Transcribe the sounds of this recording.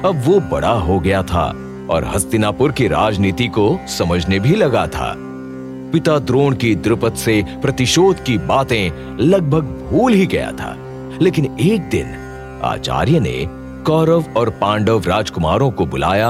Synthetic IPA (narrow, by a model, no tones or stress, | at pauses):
ɐbʋobɐ̰ɽaɦoɡɐjat̪ʰa̰ | ɔ̰ːɾɦɐst̪ɪnaːpʊɾkiɾaːd͡ʒniːt̪ikosɐməd͡ʒʱnebʱilɐɡat̪ʰa̰ː | pɪt̪ad̪ɾoːɳkid̪ɾɪpət̪sepɾɐt̪ɪʃoːd̪kibaːt̪ẽ | lɐɡ̚bʱəɡbʱuːlɦiɡɐ̰ja̰t̪ʰa̰ː | leːkɪneːk̚d̪ɪ̰n | a̰ːt͡ʃa̰ːɾjənḛ | kɔːɾəʋɔːɾpãːɳɖəʋɾaːd͡ʒkʊmaːɾõkobʊla̰ːja